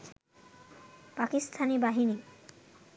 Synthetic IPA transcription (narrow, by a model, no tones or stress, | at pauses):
pakist̪ʰanibaɦini